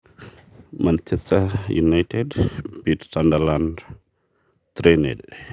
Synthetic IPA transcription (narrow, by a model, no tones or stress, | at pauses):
mant͡ʃest̪ajunajt̪edbit̪sand̪aland | t̪ɾenḛl